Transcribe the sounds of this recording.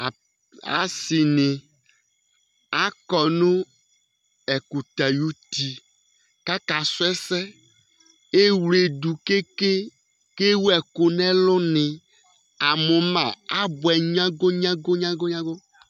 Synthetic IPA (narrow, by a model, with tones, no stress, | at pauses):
a̰˨sɪ˨nɪ˨ | a˦kɔ˨nʊ̃˦ | ɛ˨ku˨t̪a˨ju˦t̪i˨ | ka˦ka˨sʊ˦ɛ˦sɛ˦ | e˦wle˨d̪u˨ke˦ke˦ | ke˦wu˦ɛ˨kʊ˨nɛ̃˦lʊ˦nɪ̃˨ | a˨mʊ̃˨mã˨a˦bʊ˨ɛ˨ɲã˦ɡo˦ɲã˦ɡo˦ɲã˦ɡo˦ɲã˦ɡo˦